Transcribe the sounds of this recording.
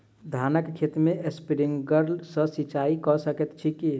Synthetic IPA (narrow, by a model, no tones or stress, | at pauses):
d̪ʱaːnəkkʰːeːt̪mẽʔespiɾɪ̃ŋɡɡəɾlsəsit͡ʃaːikɔsəkət̪t͡ʃʰiki